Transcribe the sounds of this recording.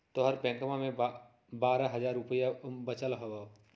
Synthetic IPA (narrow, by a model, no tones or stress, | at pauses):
t̪oɦəɾpɛ̃ːkəmamẽ | baːɾaɦɐzaːɾʊpəjabət͡ʃəlɦoa